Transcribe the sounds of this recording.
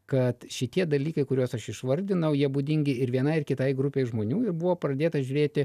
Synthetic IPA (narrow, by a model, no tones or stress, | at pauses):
kɐt̪ʃʲɪt̪ʲiɛd̪ɐlʲiːkɐɪkʊɾʲoːsɐʃɪʃʋɐɾʲd̪ʲɪnɐʊjiɛbʊd̪ʲɪŋʲɡʲɪɪɾʋʲiɛnɐɪrkʲɪt̪ɐɪɡɾʊpʲeːɪʒmoːnʲuːɪɾbʊʋoːpɾɐd̪ʲeːt̪ɐʒʲʊɾʲeːt̪ʲɪ